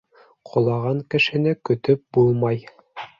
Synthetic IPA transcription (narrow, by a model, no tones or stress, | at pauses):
qʰŏlˠɑʁɑŋkɘ̆ʃɘ̆nɘkɵ̆t̪ɵp̚bulˠmɑj